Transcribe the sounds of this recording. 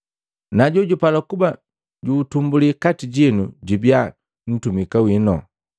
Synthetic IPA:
naɟɔɟupalakuba | ɟuːtumbulikatiɟinuɟibja | n̩tumikawinɔ̰

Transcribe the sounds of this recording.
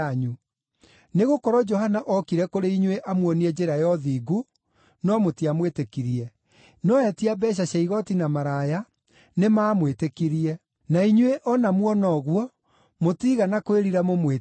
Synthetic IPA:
ɲu | neɣokɔɾɔd͡ʒɔɦanaʔɔkiɾɛkoɾeiɲweʔamwɔniɛd͡ʒeɾajɔðiːɡu | nɔmotiamwetekiɾiɛ | nɔɛtiabɛɕ̬aɕaiɣɔtinamaɾaja | nemaːmwetekiɾiɛ | naiɲweʔɔnamwɔnɔɣwɔ | motiɣanakoeɾiɾamomwe

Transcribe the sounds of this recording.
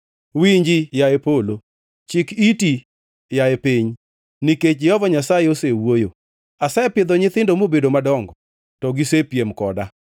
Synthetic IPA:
wiɲd͡ʒijaepolo | t͡ʃɪkiti | jaepiɲ | niket͡ʃɪɔvɔɲasajeosewojo | asaepɪd̪ɔɲɪt̪ɪndomobedomadɔŋɡɔ | tɔɡisepjemkɔda

